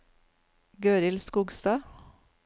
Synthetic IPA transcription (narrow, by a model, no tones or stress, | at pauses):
ɡøːɾɪlskuːɡst̪ɑː